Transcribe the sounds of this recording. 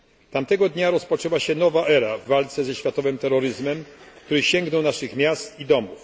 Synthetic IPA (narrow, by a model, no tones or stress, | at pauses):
t̪amt̪ɛɡɔd̪ɲaɾɔspɔt͡ʂɛwaɕɛnɔvaʔɛɾavːalt̪sɛzɛɕfʲjat̪ɔvɘmt̪ɛɾːɔɾɘzmɛmkt̪uɾɘɕɛŋɡnɔwnaʂɘxmʲjast̪id̪ɔmuf